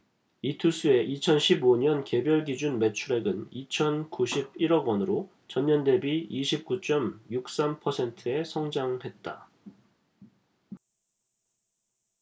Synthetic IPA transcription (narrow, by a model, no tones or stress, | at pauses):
itʰus͈ue̞ʔit͡ɕʰʌnɕʰiboɲʌnke̞bjʌɭɡid͡ʑunme̞t͡ɕʰuɾe̞ɡɯnit͡ɕʰʌnkuɕʰib̚iɾʌɡwʌnɯɾo | t͡ɕʌnːʌnde̞biiɕʰip̚k͈ut͡ɕ͈ʌmjuk̚s͈ampʰʌsʰe̞ntʰɯe̞sʰʌŋd͡ʑaŋhe̞t̚t͈a